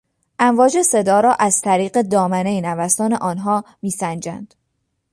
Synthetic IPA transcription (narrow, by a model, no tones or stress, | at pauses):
ʔæɱvɒːd͡ʒe̞se̞d̪ɒːɾɒːʔæz̥t̪ʰæɾiːɢe̞d̪ɒːmænejnævæst̪ɒːne̞ʔɒːnɦɒːmiːsænd͡ʒæ̰nd̪̥